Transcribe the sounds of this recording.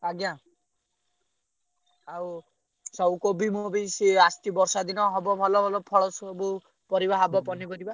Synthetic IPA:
aɡja | aw | sɔwkobʱimobisiast̪ibɔɾsad̪inɔɦɔbɔbʱɔlɔbʱɔlɔpʰɔɽɔsɔbu | pɔɾibaɦabɔpɔnibɔd̪iba

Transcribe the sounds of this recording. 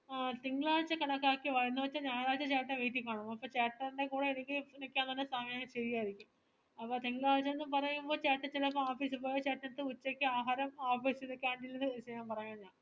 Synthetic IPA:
t̪iŋɡɐɭaːɾt͡ɕːɐkɐɳɐkːaːkːiʋɐjenːɨʋɐt͡ɕːɐɲaːjlaːt͡ɕːɐt͡ɕeːʈːɐʋeːjʈːikʲːaːɳumɐpːoːt͡ɕeːʈːɐrinɳɖekuːɽeenikʲːiinɐkʲːaːnt̪ɐnːesaːmjaɕeɾijaːjiɾikʲːum | ɐpːoːt̪iŋɡɭaːɾt͡ɕːɐenːɨpɐrɐjumbo̞ːt͡ɕaːʈːɐt͡ɕːelɐpːoaːfiːsɨpoːjɐt͡ɕeːʈːɐnt̪ːɨut͡ɕːekʲːɨaːɦaːɾɐmaːfiːsiðokːaːɳɖilːenːisɐjaːmpɐrɐjaːnɲaːn

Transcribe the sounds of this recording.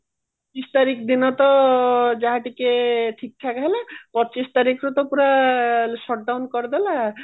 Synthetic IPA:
ppɔ | t͡ʃist̪aɾikd̪inɔt̪ɔd͡ʒaɦaʈikeʈʰik̚t̪ʰakaɦɛlapɔt͡ʃist̪aɾikɾɔt̪ɔpuɾaʃɔʈ̚ɖawnkɔɾd̪ɛla

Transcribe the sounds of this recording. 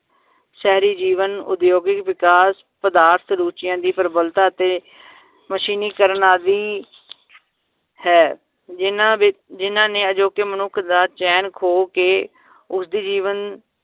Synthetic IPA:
sɛɦɾiːd͡ʒiːʋənʊ̰d̪joːɡɪkʋɪkaːs | pəd̪aːɾt̪ʰɾuːt͡ʃɪjãːd̪iːpəɾbəlt̪aːt̪eː | məʃiːniːkəɾənaːd̪iː | hɛː | ɪnãːɪd͡ʒɪnãːnẽːəd͡ʒoːkeːmənʊkʰd̪aːt͡ʃɛːnkʰoːkeː | ʊsd̪iːd͡ʒiːʋən

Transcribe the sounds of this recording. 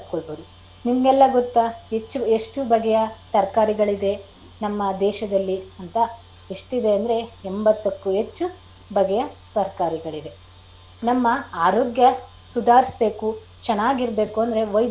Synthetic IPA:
skoɭbod̪u | nimɐɡɛlːɐɡot̪ːaɦet͡ʃːueʂʈubɐɡɛjɐt̪ɐɾkaːɾiɡɐɭid̪e̞ | nɐmːɐd̪ɛːʃɐd̪ɐlːiɐnt̪ɐ | eʂʈid̪e̞ɐnd̪ɾe̞embɐt̪ːɐkːuɦe̞t͡ʃːu | bʱɐɡɛjɐt̪ɐɾkaːɾiɡɐɭid̪e̞ | nɐmːɐaːɾoːɡjɐ | sud̪ʱaːɾisbe̞ːku | t͡ʃɛnaːɡiɾbe̞ːkuɐnd̪ɐɾe̞ʋɐjd̪

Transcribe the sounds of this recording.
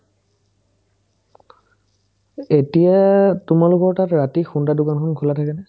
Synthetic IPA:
etijatʊmalʊkɔɹtatɹatixundadʊkankʰɔnkʰulatʰakɛnɛ

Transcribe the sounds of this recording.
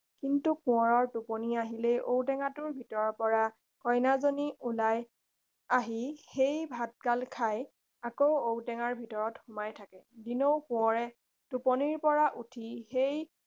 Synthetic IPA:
kintukʊ̃ɔɹɔɹtupɔniaɦilejʔowtɛŋatʊɹbʱitɔɹɔpɔɹa | kɔjnazoniʔulaj | aɦixejbʱat̚kalkʰaj | akowowtɛŋaɹbʱitɔɹɔtxʊmajtʰakɛdinowkʊ̃ɔɹɛ | tupɔniɹpɔɹaʔutʰixej

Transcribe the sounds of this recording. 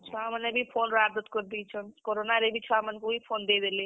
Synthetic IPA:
t͡ʃʰaamənebʱipʰoːnɾabd̪ət̪kəɾd̪it͡ʃʰənkoɾonaɾebʱit͡ʃʰaamənkobʱipʰond̪ed̪ele

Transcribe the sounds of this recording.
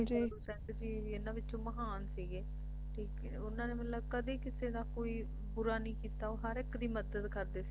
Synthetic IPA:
d͡ʒiːsɛ̃ːnd̪d͡ʒiː | ɪnãːʋɪtːt͡ʃõːməɦaːnsiːɡeː | ʈʰiːk | ʊnãːneːmɪlːəbkəd̪eːkɪseːnãːkoːiː | bʊɾaːnĩːkiːt̪aːoːɦəɾɪkd̪iːməd̪əd̪kəɾd̪eːsi

